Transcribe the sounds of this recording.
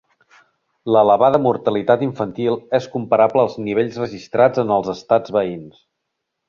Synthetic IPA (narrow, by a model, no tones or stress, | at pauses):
ləːləβaðəmuɾt̪əlit̪at̪iɱfənt̪ilˠɛskumpəɾabləːlˠzniβ̞eʎzrəʒist̪ɾad͡zənəlˠzəst̪ad͡zβəins